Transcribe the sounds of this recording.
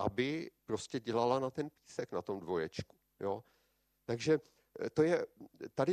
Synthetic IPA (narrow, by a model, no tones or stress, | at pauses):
ʔa̰bɪpɾoscɛɟɛlalanat̪ɛnpiːsɛknat̪o̞mdvo̞jɛt͡ʃku̥ | jo̞ | t̪aɡʒɛ | t̪ojɛt̪adɪ